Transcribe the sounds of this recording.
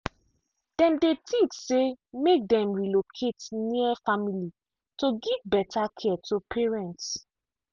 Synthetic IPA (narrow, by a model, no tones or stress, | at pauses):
d̥ɛ̃mdetʰĩt͡ʃsemek̚dɛ̃mɹilokʰetniəfamili | toɡivbɛtʰakʰɛtʰopʰɛɹɛ̃nts